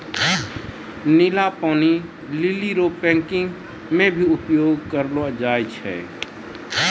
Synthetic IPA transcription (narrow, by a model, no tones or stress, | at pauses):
nilapani | liliɾopɛ̃ŋkɪ̃ŋɡ | mẽbʱiʊpjoːɡkəɾlod͡ʒajt͡ʃʰɛ̰